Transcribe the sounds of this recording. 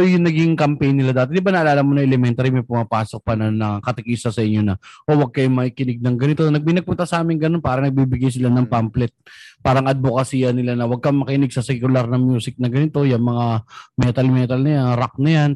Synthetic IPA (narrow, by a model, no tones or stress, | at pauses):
ojʊŋnɐɡiŋkɐmpɛjnːɪlad̪aːt̪ɛd̪ɪbanɐʔɐlaːlamonɐŋʔɛlɛmɛnt̪aɾimɐjpʊmɐpaːsok̚pɐnɐnːɐkɐt̪ɪkiːsɐsɐʔɪɲːo̞nɐʔo̞wɐɡ̚kɐjomɐkikɪnɪɡ̚nɐŋɡɐnɪt̪o̞nɐɡ̚minɐɡ̚pʊnt̪ɐsɐʔaːmɪŋɡɐnonpaːɾɐnɐɡ̚biːbɪɡajs̬ɪlanɐŋpamplɛt̪̚paːɾɐŋʔɐd̪̚bokɐsiːɐnɪlanɐwɐɡ̚kɐŋmɐkɪnɪɡ̚sɐsɛkʊlaɾnɐŋmjuːsɪk̚nɐɡɐnɪt̪o̞jɐŋmɐŋamɛt̪ɐlmɛːt̪ɐlnɐjaŋɾak̚nɐjan